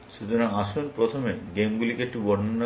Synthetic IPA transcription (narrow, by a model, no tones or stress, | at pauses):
ʃut͡ɕonaaʃunpɾot̪ʰomeɡemɡulikek̚ʈibɔɾanːa